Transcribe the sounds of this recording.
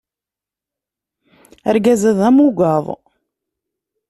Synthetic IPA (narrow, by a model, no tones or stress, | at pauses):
æɾɡæzæðæmuɡɑðˤ